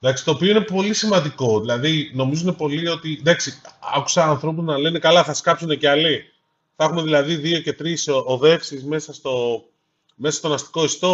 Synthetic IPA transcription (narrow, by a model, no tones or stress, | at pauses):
d̪ɐksi̥t̪o̞ːpio̞ine̞po̞lisimɐnd̪iko̞ðilɐðino̞mizune̞po̞lio̞t̪id̪ɐksiɐ̰ku̥sɐːnθɾo̞puznɐle̞ne̞kɐlɐθɐskɐpsune̞ceɐli | θɐexume̞ðilɐðiðio̞ce̞t̪ɾisoðe̞fsizme̞sɐst̪o̞ | me̞sɐst̪o̞nɐst̪i̥ko̞ist̪o